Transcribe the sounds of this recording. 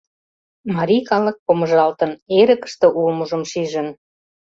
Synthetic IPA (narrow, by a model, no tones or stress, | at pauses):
mɑɾʲikɑlək̚poməʒɑlt̪ə̆neɾə̆kə̥ʃt̪ɤ̆ʔulmuʒə̆mʃiʒə̆n